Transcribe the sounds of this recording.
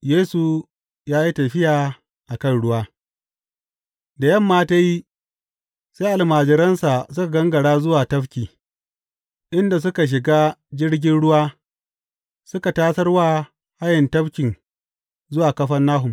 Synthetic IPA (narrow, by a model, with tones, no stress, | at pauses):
jeː˦su˨ | jaː˦ji˦tɐ˨ɸɪ˦jaː˨ | ʔa˨kɐ˦˨nɽʊ˦waː˦ | da˨jɐ˦˨mːaː˦ta˦ji˦ | se˦ʔa˨lmaː˨d͡ʒɪ˨ɾɐ˦nsa˨sʊ˦ka˨ɡɐ˦ŋɡɐ˨ɽaː˦zʊ˦waː˨tɐ˦ɸkʲiː˨ | ʔɪ˦nda˨s̬ʊ˦ka˨ʃ̬ɪ˨ɡaː˦d͡ʒɪ˦ɽɡʲɪ˦nɽʊ˦waː˦ | sʊ˦ka˨taː˦sɐ˦rwaː˦ | ha˦jɪ˨ntɐ˦ɸkʲɪ˨n | zʊ˦waː˨kɐ˦ɸɐ˦nːaː˦ɦʊ˨m